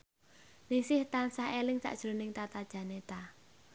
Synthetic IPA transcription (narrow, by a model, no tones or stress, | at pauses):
nisɪht̪ansahelɪŋsa̰ʔd̥ʒ̥ɾo̤nɪŋt̪at̪ad̥ʒ̥ä̤net̪a